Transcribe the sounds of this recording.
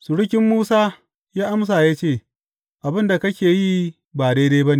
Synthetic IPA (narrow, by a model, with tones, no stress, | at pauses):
sʊ˨ɽʊ˦kʲɪ˦mːuː˦saː˦ | jaː˦ʔa˦ms̬aː˨jaː˦t͡ʃeː˦˨ | ʔa˨bɪ˦nda˨kɐ˦kʲeː˨ji˦ | baː˨deː˦de˦bɐ˦ne˨